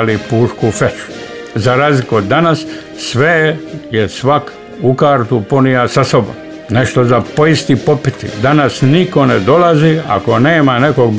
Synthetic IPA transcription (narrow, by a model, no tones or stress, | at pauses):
lipuːʃkufet͡ʃu̥ | zaɾaːzlikuod̪ːanasː | ʋejesʋak | ukaːɾt̪upo̞nijasaso̞bo̰m | neʃt̪o̞zapo̞ist̪ipo̞pit̪ḭd̪anasniko̞ned̪o̞lazia̰ko̞ne̞ːmaneko̞ɡ